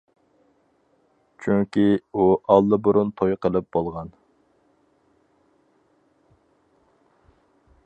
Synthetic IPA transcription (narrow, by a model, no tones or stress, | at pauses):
t͡ʃʰyŋkʲiuʔɑlˠːɨbuɾunt̪ʰojqəlˠɨp̚bolˠʁɑn